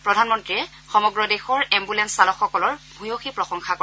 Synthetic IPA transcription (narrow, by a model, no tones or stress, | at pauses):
pɹɔdʱanmɔntɹiɛ | xɔmɔɡɹɔdexɔɹɛmbulɛnsalɔxɔkɔlɔɹbʱujoxipɹɔxɔŋxakɔ